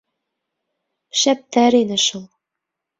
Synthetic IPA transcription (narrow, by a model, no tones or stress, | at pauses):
ʃæp̚t̪æɾinɘ̆ʃulˠ